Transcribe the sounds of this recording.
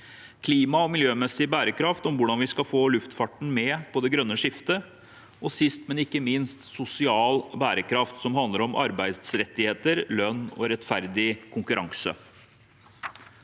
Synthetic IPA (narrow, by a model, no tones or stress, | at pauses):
kʰliːmɑɔmɪljøːmɛsɪbæːɾəkʰɾɑft̪ɔmʋʊɖɑnʋɪskɑfoːlʉft̪fɑʈɳ̩mɛːpʰɔd̪ɛɡɾœnːəʂɪft̪ə | ʔɔsɪst̪mɛnɪkːəmɪnst̪sʊsɪɑːlbæːɾəkʰɾɑft̪sɔmhɑnd̪əɾɔmʔɑ̰ɾbæɪd̪sɾɛt̪ːɪheːt̪əɾlœnːɔ̰ɾɛt̪fæɾd̪ɪkʰʊŋkʉɾʔɑ̰ŋsə̰